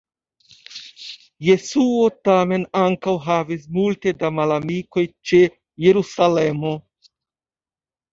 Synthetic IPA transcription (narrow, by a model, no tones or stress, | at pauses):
je̞suotame̞naŋkawɦavismulte̞damalamiko̞jt͡ʃe̞ | jeɾusalemo̞